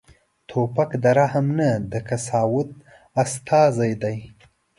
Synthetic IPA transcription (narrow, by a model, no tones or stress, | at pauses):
t̪ʰopakd̪aɾahamnad̪əkasɑːwʊt̪̚ | ast̪ʰɑzajd̪aj